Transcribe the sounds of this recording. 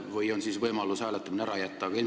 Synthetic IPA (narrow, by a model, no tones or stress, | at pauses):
vɯjonsiːsvɤjmɑlːushælɑt̪ːɑmineɾɑjɑt̪ːɑːɡɑilm